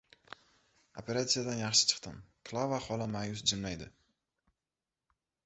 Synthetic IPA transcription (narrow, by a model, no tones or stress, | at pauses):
opʰe̞ɾat̪sijad̪anjɑχʃɪ̥t͡ʃʰɨ̥qt̪ɪmkʰlˠavaχɒlamajʊsd͡ʒɪmlajd̪ɪ